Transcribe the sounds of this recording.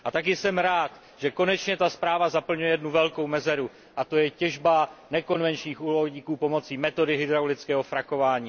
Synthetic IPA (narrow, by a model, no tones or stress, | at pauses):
ʔat̪ak̬ɪsɛmɾaːt̪ | ʒ̥ɛko̞nɛt͡ʃɲɛt̪aspɾaːvazapl̩ɲujɛjɛdnuvɛlko̞wmɛzɛɾu | ʔat̪o̞jɛcɛʒbanɛko̞nvɛnt͡ʃɲiːxʔuːloɲiːkuːpo̞mo̞t͡siːmɛt̪o̞dɪɦɪd̪ɾawlɪt͡skɛːɦo̞fɾako̞vaːɲiː